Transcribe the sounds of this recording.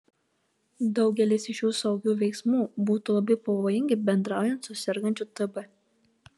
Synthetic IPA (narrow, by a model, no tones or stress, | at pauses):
d̪ɐʊɡʲɛlʲɪsʲɪʃʲjuːsɐʊɡʲuːʋʲɛksmuːbuːt̪ulˠɐbɐjpoʋɔjɪŋʲɡʲɪbʲɛnd̪ɾɑʊjɛnt̪sʊsʲɛɾʲɡɐnʲt͡ʃut̪ɨbɐ